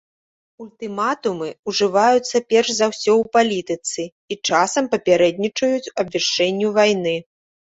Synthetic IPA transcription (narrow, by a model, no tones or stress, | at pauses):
ulʲt̪ɨmat̪umɨuʐɨvajut̪sːɐpʲɛrʂzawsʲɔwpalʲit̪ɨt̪sɨ | it͡ʂasɐmpɐpʲɛɾɛd̪̚ʲnʲit͡ʂɐjut͡sʲɐbvʲɛʂt͡ʂːɛnʲːuvajnɨ